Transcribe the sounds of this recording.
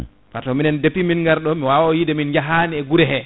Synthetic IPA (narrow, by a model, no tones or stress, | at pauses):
fatɔminɛndepːiminŋɡaɾɗɔmiwawɔjidɛminɲd͡ʒaɦaniɛɡuɾɛɦɛ